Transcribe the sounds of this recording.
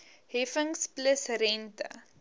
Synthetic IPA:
ɦɛfəŋspləsrɛntə̰

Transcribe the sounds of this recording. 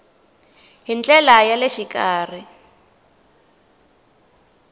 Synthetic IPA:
ɦint͡ɬɛlajaleʃikaːri

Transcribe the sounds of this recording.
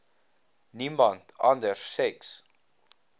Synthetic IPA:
nĩmbɔ̃ntãndəɹsɛks

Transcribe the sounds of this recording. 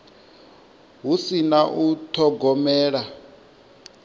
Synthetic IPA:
ɦusinaʔutʰɔɡɔmɛːɺa

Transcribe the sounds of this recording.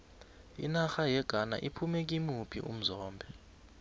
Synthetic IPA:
ḭnaxajɛɡ̥ʱana̰ʔipʰumɛk̬ʼimupʰḭʔṵm̩zɔːmbʱɛ

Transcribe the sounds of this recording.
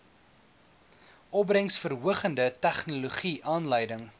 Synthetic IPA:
ʔɔbrəŋsfərɦuəχəndətæχnuluχiʔɑːnləjdəŋ

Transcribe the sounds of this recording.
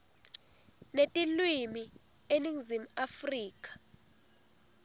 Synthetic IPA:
netʼilwimi | eniŋzim̩afriːkʼḁ

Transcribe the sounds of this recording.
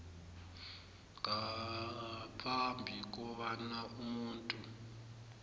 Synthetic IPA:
ŋɡa | pʰambʱik̬ʼɔβanaʔumuːntʼu

